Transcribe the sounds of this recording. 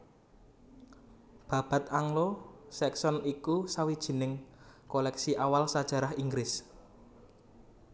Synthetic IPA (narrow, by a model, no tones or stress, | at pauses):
b̥ä̤b̥a̤t̪̚aŋlosɛksɔnikusawid̥ʒ̥i̤nɪŋ | kolɛksiʔawalsad̥ʒ̥ä̤ɾaɦiŋɡɾɪs